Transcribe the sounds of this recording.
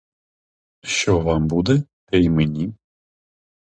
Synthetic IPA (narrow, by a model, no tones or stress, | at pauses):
ʃt͡ʃɔʋɑmbud̪ɛt̪ɛjmenʲi